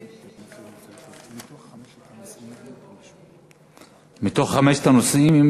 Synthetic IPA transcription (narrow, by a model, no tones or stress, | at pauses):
it̪o | mit̪o̞χχameʃt̪anosimim